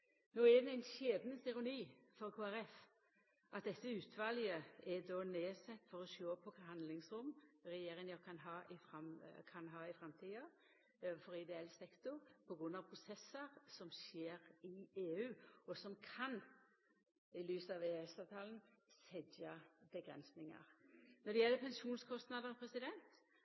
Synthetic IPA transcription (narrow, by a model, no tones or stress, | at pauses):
noːæd̪ɛæɪnɕeːd̪nəsɪɾʊniːfɔɾkʰuːæɾɛf | ʔɑt̪̚d̪ɛt̪ːəʉːt̪ʰʋɑljəɛd̪oːneːsɛt̪ːfɔɾɔʃoːpʰɔkʰɑhɑnd̪lɪŋsɾʊmɾɛjeːɾɪŋəkʰɑnɦɑːʔɪfɾɑmkʰɑnɦɑːɪfɾɛmt̪ʰiːɑ | fɔɾɪd̪ɛɛlsɛkt̪ʊɾpʰɔɡʁʉnːɑʋpʰɾʊsɛsːəʁsɔmʃeːɾɪeːʉːɔsɔmkʰɑn | ɪlyːsəɑʋeːɛsɑːʋt̪ʰɑːln̩sɛdɑb̥əɡɾɛ̰nsnɪŋɑ̰ɾnɔd̪ɛjɛlːəpʰɛnʃuːnskʰɔst̪nɑd̪əʁpʰɾɛsɪd̪ɛnt̪